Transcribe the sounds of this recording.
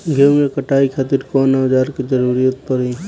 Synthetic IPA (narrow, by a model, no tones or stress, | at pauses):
ɡʱemekəʈaːikʰaːt̪ɪɾkɔːnad͡ʒaːɾkid͡ʒəɾuːɾijat̪̚pəɾi